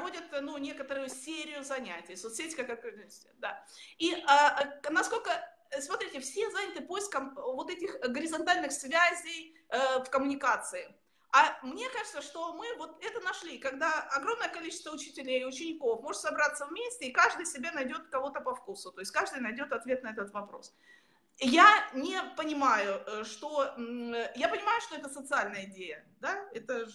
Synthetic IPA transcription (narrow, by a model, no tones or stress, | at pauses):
vo̞dʲɪt̪nunʲe̞kət̪əɾɨjʊsʲeɾʲɪjʊzɐnʲætʲɪjəsot̪sʲetʲkakɐonəsʲt̪ʲɪd̪aiʔanɐsko̞lʲkə | smɐt̪ɾʲitʲɪfsʲezanʲɪt̪ɨpo̞jɪskəmvo̞t̪ɛtʲɪxɡəɾʲɪzɐnt̪alʲnɨxsvʲæzʲɪj | əfkəmʊnʲɪkat̪sɨɪ | amnʲekaʐɨt̪səʂt̪o̞mɨvo̞t̪ɛt̪ənɐʂlʲikɐɡd̪aɐɡɾo̞mnəjəkɐlʲit͡ɕɪ̥st̪vəʊt͡ɕɪtʲɪlʲejɪʊt͡ɕɪnʲɪko̞fmo̞ʐɨt̪sɐbɾat̪səvmʲesʲtʲɪːkaʐd̪ɨjsʲɪbʲanɐjdʲo̞t̪kɐvo̞t̪əpɐfkusʊt̪o̞ɪsʲtʲkaʐd̪ɨjnɐjdʲo̞t̪ɐt̪vʲe̞t̪̚nɐɛt̪ət̪vɐpɾo̞̰s | janʲɪpənʲɪmajʊʂt̪o | japənʲɪmajʊʂt̪o̞ɛt̪əsət̪sɨalʲnəjəɪdʲejəd̪aɛt̪ə